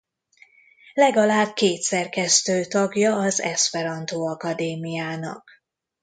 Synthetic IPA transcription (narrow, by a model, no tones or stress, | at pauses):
lɛɡɒlaːb̚keːt̪sɛrkɛst̪øːt̪ɒɡjɒːzɛspɛɾɒnt̪oːɒkɒd̪eːmijaːnɒ̰k